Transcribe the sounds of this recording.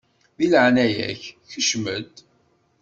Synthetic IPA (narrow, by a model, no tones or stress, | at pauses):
ðiləʕnæjæ̰ççəʃməd̪